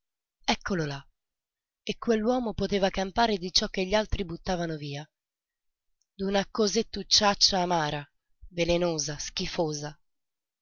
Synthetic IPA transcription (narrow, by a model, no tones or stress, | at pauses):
ɛkːolola | ekːwelːwɔːmopot̪eːvakampaːɾed̪it͡ʃɔkːeʎːalt̪ɾibut̪ːaːvanoviːa | d̪unakozet̪ːut͡ʃːat͡ʃːaːmaːɾa | velenoːzask̟ifoːza